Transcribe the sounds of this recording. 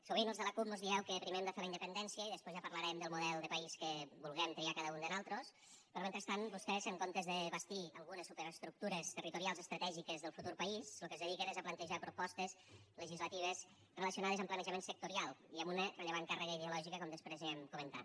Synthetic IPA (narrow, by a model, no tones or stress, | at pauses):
suβ̞inəlˠzðələkup̚mozðiɛwkəpɾimeɛmd̪əfeləinəpənd̪ɛnsiəiðəspozʒapəɾləɾɛmd̪əlˠmuðɛlˠd̪əpəiskəbulˠɣɛmt̪ɾiakaðəund̪ənalˠt̪ɾos | pəɾment̪ɾəst̪anbust̪ɛzəŋkont̪ezðəβəst̪iəlˠɣunəsːupəɾəst̪ɾuk̚t̪uɾəst̪ərit̪uɾialˠzəst̪ɾət̪ɛʒikəzðəlˠfut̪uɾpəislukəzðəðikənezəplənt̪əʒapɾupɔst̪əz | ləʒizlət̪iβ̞əz | rələsiunaðəzəmplənəʒəmensək̚t̪uɾialˠiəmunərəʎəβaŋkarəɣəiðeulɔʒikəkɔmd̪əspɾezɛmkumənt̪a̰t̪